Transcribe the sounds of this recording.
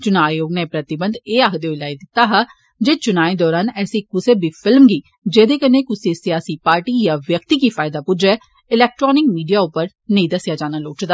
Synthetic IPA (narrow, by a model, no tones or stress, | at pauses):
t͡ʃʊnaːjoːɡneːpɾət̪ɪbənd̪eːaːkʰd̪eːoɪlaːid̪ɪt̪ːaːɦa | d͡ʒeːt͡ʃʊnaːed̪ɔːɾaːnɛːsiːkʊseːbiːpʰɪlmɡiː | d͡ʒeːd̪eːkəneːkʊsesɪjaːsiːpaːɾʈiːjaːʋjəkt̪iːkiːpʰaːɪd̪aːpʊd͡ʒɛː | ɪlɛːk̚ʈɾɔːnɪkmiːɖijaːʊpəɾ | nəĩːd̪əsɪjaːd͡ʒaːnaːloːt͡ʃd̪aː